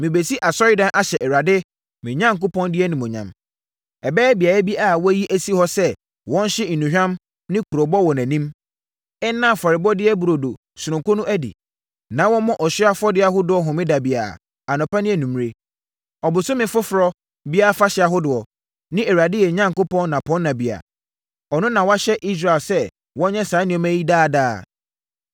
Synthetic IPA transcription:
mɪ̃˨be˨si˦ʔa˨sɔ˦ɪ˦dã˦nʔa˦ɕɛ˨ʔɛ˨ɾa˨dɪ˦ | mɪ̃˨ɲã˦ŋ˨kʊ˦pʰɔ̃˦ndɪ˦ɛ˦nĩ˨mɔ̃˨ɲã̰˨m | ɛ˨bɛː˦bi˨a˨ɛ˦bi˦ʔa˨wɔ˦æ˦ji˦ʔæ˦si˦hɔ˦sɛ˦ | wɔ̃˦n̩˦ɕɪ˦n̩˨nũ˨ɕᶣã˦m | nɪ̃˦kʰu˨ɾo˨bɔ˦wɔ˨næ̃˨nĩ˦m | ɛ˦n˦nːã˦˨fɔ˨ɾɪ˨bɔ˦dɪ˦ɛ˦bu˨ɾo˨do˨ | sʊ˨ɾʊ̃˨kʊ˦nʊ̃˦ʔæ˦dḭ˨ | nã˨˦wɔ̃˦mɔ̃˦ʔɔ˨ɕa˦fɔ˦dɪ˦a˦ɦʊ˦dʊ˨ɔ˦ɦʊ̃˨mɪ̃˦da˨bi˨a̰˨ | a˨nʊ̃˨pa˦nɪ̃˦ɛ˨nũ˨m˦˨e˦ | ɔ˨bʊ˨sʊ˦mɪ̃˨fʊ˦fʊ˨ɾɔ˦ | bi˦a˦fa˦ɕɪ˨˦a˨ɦʊ˦dʊ˨ɔ˨ | nɪ̃˦ɛ˨wɾa˨dɪ˦jɛ˨ɲã˦ŋ˨kʊ˦pɔ̃˦nː˦ã˨pʰɔ̃˦nː˦ã˨bi˨a̰˨ | ɔ˨nʊ̃˦nã˨wa˦ɕɛ˦ʔi˦s̬ɾa˨lsɛ˦ | wɔ̃˦ɲɛ̃˦sã˨˦nɪ̃˦ɔ˨mæ̃˦ji˦daː˦˨daː˦˨

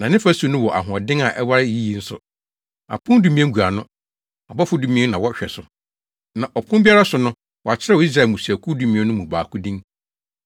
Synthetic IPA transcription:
nã˨nɪ̃˦fa˦su˨˦nʊ̃˦wɔ˨ʔa̰˨ɦʊ̃˨ɔ˨dɪ̃˦ŋa˨ʔɛ˦wa˦ɾɪ˦ji˦ji˨˦n̩˦sʊ̰˨ | a̰˨pʰʊ̃˦n˦du˨˦mĩ˦ɛ̃˦ŋ˦ɡu˨a˨nʊ̃˦ | a˨bɔ˦fʊ˦du˦mĩ˦ɛ˦nã˨wɔ˦ɕᶣɛ˨sʊ˨ | nã˨ʔɔ˨pʰʊ̃˦mbi˦a˦ɾa˦sʊ˨nʊ̃˦ | wɔ˨a˨t͡ɕʰɪ˦ɾɛ˦wɔ˨˦i˦s̬ɾa˨mũ˨si˨æ˨kʰu˦du˦mĩ˦ɛ̃˦nʊ̃˦mũ˨baː˨kʊ˦dĩ˦ŋ

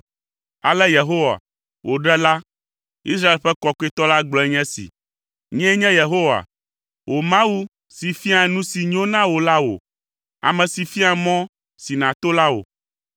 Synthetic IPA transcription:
a̰˨lɛ˦je˨ɦo˦wa̰˨ | wʔo˨ɖɛ˦la˦ | i˦sɾa˦e˨lɸɛ˦kɔ˦ke˦t̪ɔ˦la˦ɡ͡blɔ˨ɛ˦ɲɛ̃˦sḭ˨ | ɲɛ̃˦ɲɛ̃˦je˨ɦo˦wa̰˨ | wʔo˨mã˦wu˦ | si˨fi˦a˨nũ˦si˨ɲ˦õ˦nã˦wo˨la˦wo̰˨ | a̰˨mɛ̃˨si˨fi˦a˨mɔ̃˦ | si˨nã˨t̪o˦la˦wo̰˨

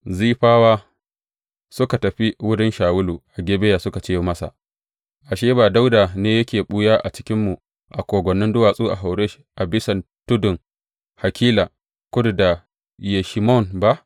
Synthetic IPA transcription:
ziː˦ɸaː˦waː˦ | sʊ˦ka˨tɐ˨ɸi˦wʊ˦ɽɪ˦nʃaː˨wʊ˦luː˨ʔa˨ɡʲeː˦be˦ja˨sʊ˦ka˨t͡ʃeː˦mɐ˦sa̰˨ | ʔa˨ʃeː˦baː˨da˦wdaː˨neː˦jɐ˦kʲeː˨ɓu˦jaː˦ʔa̰˨t͡ʃɪ̥˦kʲɪ˦mːu˨ | ʔa˨kʷoː˨ɡʷɔ˨nːɪ˦ndʊ˦waː˨sʼuː˦ʔa̰˨ɦa˨wɽe˦ʃʔa˨bɪ˦sɐ˨ntʊ˦dʊ˨ŋ | ha˨kʲiː˦la˨ | kʊ˦dda˨ | je˨ʃi˨mɔ˦˨nba˦ʔ

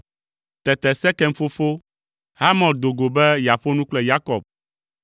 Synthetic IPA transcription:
t̪ɛ˨t̪ɛ˨sɛ˦kɛ˦ŋ˦fo˦fo˦ | ɦa˦mɔ̃˨ld̪o˨ɡo˨bɛ˦ja˨ɸo˦nũ˦k͡plɛ˦˨ja˦kɔ̰˨b̚

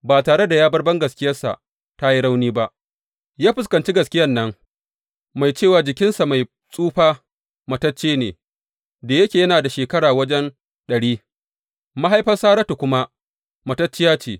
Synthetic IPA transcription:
baː˨taː˨ɽe˦da˨jaː˦bɐ˦rbɐ˦ŋɡɐ˨skʲɪ˦jɐ˦rsa̰˨ʔ | ta˦ji˦ɽa˦wniː˦ba˦ʔ | jaː˦ɸɪ˨skɐ˨nt͡ʃi˦ɡɐ˨skʲɪ˦jɐ˦nːɐ˦ŋ | ma˨jt͡ʃeː˦˨waː˨d͡ʒɪ˨kʲɪ˦nsa˨ma˨j | sʼuː˦ɸaː˦ | mɐ˨tɐ˦t͡ʃːeː˦nḛː˨ | da˨jɐ˦kʲeː˨jɐ˦naː˨da˨ʃeː˨kɐ˦ɽaː˨wɐ˦d͡ʒɛ˦n | ɗɐ˨ɽiː˦ | ma˦ɦa˦jɸɐ˦rsaː˦ɾɐ˦tu˨kʷʊ˦ma˦ | mɐ˨tɐ˦t͡ʃːɪ˦jaː˦t͡ʃeː˨

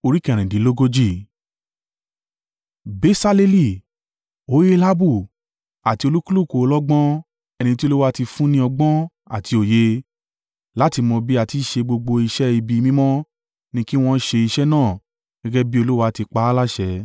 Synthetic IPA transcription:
o˧ɾi˦kɛ˦˨ɾ̃ĩ˨di˨˦lo˦ɡo˦d͡ʒi˦˨ | be˨˦sa˧le˧li˦˨ | o˨˦je˦la˦bu˦˨ | a˨ti˧o˧lu˦ku˦lu˦˨ko˨˧lɔ˦ɡ͡bɔ̃˦ | ɛ˧nĩ˧ti˦o˧lu˦wa˧˦˧ti˧fũ˦nĩ˦ɔ˧ɡ͡bɔ̃˦ | a̰˨ti˧o˨je˧ | la˦ti˧mɔ̃˧bi˦a˨ti˨˧˦ʃe˧ɡ͡bo˧ɡ͡bo˧i˧ʃɛ˦i˧bi˧mĩ˦mɔ̃˦ | nĩ˧ki˦w̃ɔ̃˦˧˦ʃe˧i˧ʃɛ˦nãː˦˨ | ɡ̥ɛ˦ɡɛ˦bi˦o˧lu˦wa˧ti˧k͡pa˦la˦ʃɛ˧˦

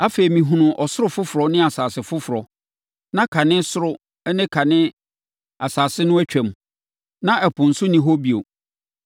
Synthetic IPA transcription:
a˦fe˨i˨mĩ˨ɦũ˨nʊ̃˨ʔɔ˨sʊ˦ʊ˦fʊ˦fʊ˨ɾɔ˨nɪ̃˦a˨saː˨sɪ˨fʊ˦fʊ˨ɾɔ˨ | nã˦kʰa˨nɪ̃˦sʊ˦ɾʊ˦ | ɛ˦nɪ̃˦kʰa˨nɪ̃˦ | a˨saː˨sɪ˦nʊ̃˦æ˦t͡ɕᶣɛ̃˨m˨ | nã˦ɛ˨pʰʊ̃˨n̩˨sʊ˦nĩ˦ɦo˦bi˦˨o̰˨

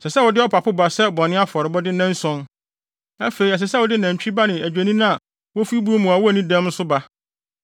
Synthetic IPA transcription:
sɛ˨sɛ˦wʊ˨dɪ˦ɔ˦pʰa˨pʰʊ˦ba˨sɛ˦bɔ˨nɪ̃˦a˦fɔ˨ɾɪ˨bɔ˦dɪ˦nã˦n̩˦sɔ̃˦n | a̰˦fe˨ɾi˨ɛ˨s̬ɛ˨sɛ˦wʊ˨dɪ˦nã˨ɲ˨t͡ɕᶣi˦ba˦nɪ̃˨æ˨d͡ʑᶣæ˨nĩ˦nã˦a˨ | wɔ˦fi˦bu˦o˦mũ˨a˨wɔ˦æ˨nĩ˦dɛ̃˦m̩˦sʊ˦ba˦

